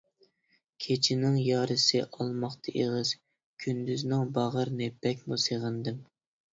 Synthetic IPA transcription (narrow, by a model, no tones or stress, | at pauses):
kʲʰet͡ʃʰɪnɪŋjɑːɾɨsɨʔɑlˠmɑχt̪ʰɑʔeʁɨz̥ | kʲʰynd̪yznɪŋbɑʁəɾnɨb̥ɛkʲmuseʁənd̪ɨm